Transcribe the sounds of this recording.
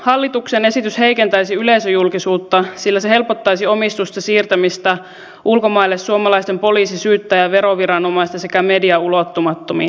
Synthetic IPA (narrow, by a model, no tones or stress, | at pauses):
hɑlːit̪uksene̞sit̪yshe̞ike̞nt̪æisiyle̞isøjulkisuːt̪ːɑsilːæsehe̞lpot̪ːɑjsiomist̪ust̪ɑsiːrt̪æmist̪æ | ʔulko̞mɑilːessuomɑlɑist̪empo̞liːsisyːt̪ːæjæʋe̞ɾoʋiɾɑnomɑist̪ɑse̞kæmediɑulot̪ːomɑt̪ːomi